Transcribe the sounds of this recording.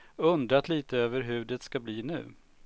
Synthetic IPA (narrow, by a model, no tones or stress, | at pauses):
ɵnd̪ɾat̪liːt̪əøːvəɾɦʉ̟ːɖɛt̪skabliːnʉ̟̰ː